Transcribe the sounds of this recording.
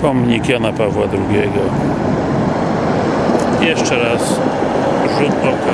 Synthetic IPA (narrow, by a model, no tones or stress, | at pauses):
pɔmɲikjanapavwad̪ɾuɡʲjɛɡɔ | jɛʂt͡ʂɛɾas | ʐut̪ɔka